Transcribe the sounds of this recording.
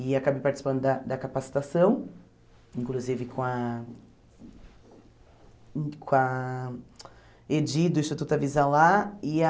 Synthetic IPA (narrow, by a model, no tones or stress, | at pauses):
ɪakabejpaɾt͡ʃi̥si̥pɐ̃nd̪ʊd̪ɐd̪ɐkapasi̥t̪asɐ̃w̃ | ĩŋkluzivɪkõɐ | kõɐ | ed͡ʒid̪ʊist̪at̪ut̪ɐvizalaɪ